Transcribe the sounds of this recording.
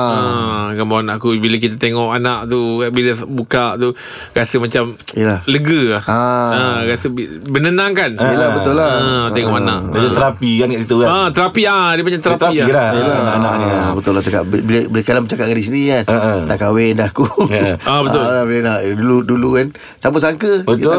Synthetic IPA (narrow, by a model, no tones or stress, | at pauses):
əkambawanaʔakubilək̬it̪at̪eŋɔʔanaʔt̪ubiləbukaʔt̪u | ɾasəmat͡ʃamiəlaləɡəlahaəɾasə | bənənaŋkanəlabət̪ʊlaət̪eŋɔʔanaʔad͡ʒat̪əɾapikankaʔsit̪ukaət̪əɾapiadipaɲat̪əɾaailat̪ulaanaʔanaʔniabət̪ʊlːaht͡ʃakaʔbbiləbəɾəkalambət͡ʃakaʔ̚ɡandis̬inikanənaʔkawendahkuabət̪ʊbilənaʔduludulukan | sampəsaŋkəbətkit̪a